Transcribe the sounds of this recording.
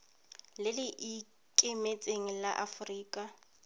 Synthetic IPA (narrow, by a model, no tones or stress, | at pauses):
lɪlɪʔi | kʼɪmet͡sʼeŋ̩laʔafʊriːkʼa